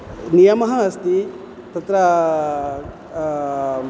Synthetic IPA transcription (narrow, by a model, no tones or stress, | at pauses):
nijɐmɐɦɐɐst̪i | t̪ɐt̪ɾɐ